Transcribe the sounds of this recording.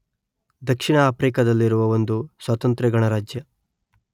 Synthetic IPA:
d̪ɐkʂiɳɐaːpɾikɐd̪ɐlːiɾuʋɐʋo̞nd̪usʋɐt̪ɐnt̪ɾɛɡɐɳɐɾaːd͡ʒjɐ

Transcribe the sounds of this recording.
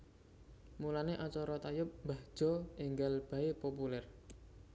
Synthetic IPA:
mulaneʔat͡ʃɔɾɔt̪ajʊp̚mbad̥ʒ̥ɔʔiŋɡalb̥a̤epopulɛr

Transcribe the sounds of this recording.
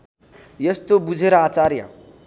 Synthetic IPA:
jʌst̪obud͡zʱeɾʌat͡saɾjʌ̰

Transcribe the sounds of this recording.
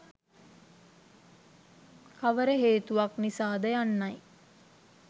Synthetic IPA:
kaʋəɾəɦeːt̪uʋaknisaːd̪əjanːaj

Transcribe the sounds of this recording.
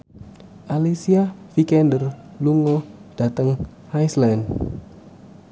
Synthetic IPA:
ʔalisiafikɛndərluŋɔd̥at̪əŋ | ʔajsland

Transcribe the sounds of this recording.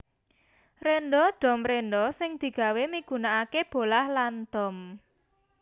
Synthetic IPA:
renɖɔɖ̪̥ɔ̤mrenɖɔsɪŋd̪̥i̤ɡ̥a̤wemiɡ̥ṳnaakeb̥o̤lahland̪̥ɔ̤m

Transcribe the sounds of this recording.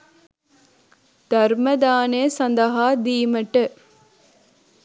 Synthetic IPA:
d̪ɐɾmɐd̪aːneːsɐnd̪ɐɦaːd̪iːməʈə

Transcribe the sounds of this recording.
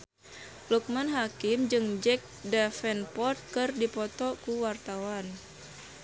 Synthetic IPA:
luk̚manɦakɪmd͡ʒɨŋd͡ʒɛk̚dafɛnpɔrt̪̚kɨrdipɔt̪ɔkuwart̪awan

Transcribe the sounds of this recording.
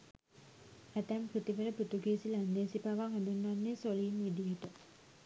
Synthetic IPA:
æt̪æmpɾut̪iʋələpɾut̪uɡeːsilænd̪eːsipaʋaŋɦæd̪unːanːesoliːnʋid̪ijəʈə

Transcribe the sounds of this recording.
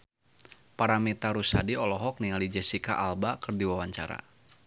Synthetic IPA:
paɾamit̪aɾusadiɔlɔɦɔk̚niŋalid͡ʒɛsika̰ʔalbakɨrdiwawaɲt͡ʃa̰ɾa̰

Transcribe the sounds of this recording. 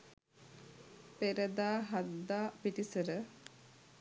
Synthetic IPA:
peɾəd̪aːɦad̪ːaːpit̪isəɾə

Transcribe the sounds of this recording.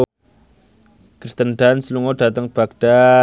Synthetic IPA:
kɾist̪ənɖansluŋoɖ̥a̤t̪əŋb̥aɡɖ̥a

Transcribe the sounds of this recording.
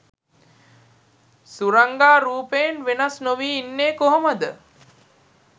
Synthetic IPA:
suɾaŋɡaːɾuːpejenʋenasnoʋiːnːeːkoɦoməd̪ə

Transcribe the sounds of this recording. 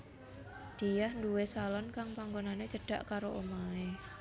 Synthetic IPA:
d̪̥ejahnduwesalɔnkaŋpaŋɡonanet͡ʃəɖ̥a̤ʔkaɾoʔomae

